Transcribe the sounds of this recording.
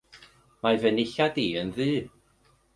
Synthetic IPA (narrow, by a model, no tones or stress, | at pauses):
mavənɪɬadiːənðɨː